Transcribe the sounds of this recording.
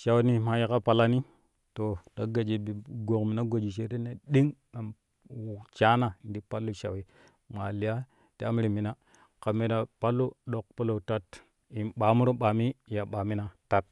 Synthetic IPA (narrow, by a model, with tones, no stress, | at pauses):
ʃa˨wni˨ma˨ja˦ka˦pa˨la˦ni˦ | to˨da˨ɡa˨d͡ʒi˨bi˨ɡo˨kmi˨na˦ɡo˨d͡ʒi˨ʃe˦ɾe˦ne˦ɗi˦ŋna˨m˨ | t͡ʃa˦na˨n˨di˨pa˦lːu˦ʃa˨wi˦ | ma˨li˨ja˦ | ti˦a˦m˦ɾi˨mi˨na˦ | ka˨me˨da˨pa˦lːu˦ɗo˨k̚po˦lo˨ta˦t | i˨nɓa˨mu˦ɾo˦ɓa˨mi˦˨ja˨ɓa˨mi˦na˨ta˦t̚